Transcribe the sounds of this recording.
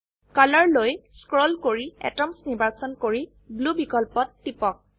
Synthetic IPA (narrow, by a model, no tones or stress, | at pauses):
kalɔɹlojskɹɔlkoɹiɛ̰tɔmsnibasɔnkoɹi | blubikɔlpɔtːipɔk̚